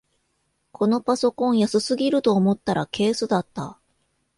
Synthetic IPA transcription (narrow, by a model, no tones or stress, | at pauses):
kʰo̞no̞paso̞kõ̞ɰ̃jasɨsɨɡʲiɾɯ̟t̪o̞ːmo̞t̪ːaɾʔake̞ːsɨd̪at̪ːa̰